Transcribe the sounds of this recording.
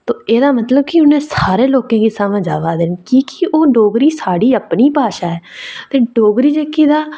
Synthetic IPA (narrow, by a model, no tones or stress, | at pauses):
t̪oːeːd̪aːmət̪ləb̚kɪʊnẽːsaːɾeːloːkẽːkeːsaːmə̃d͡ʒa̰ːʋaːd̪eːnkikioːɖoːɡɾiːsaːɽiːəpniːpaːʃaːɦɛːt̪eːɖoːɡɾiːd͡ʒeːkid̪aː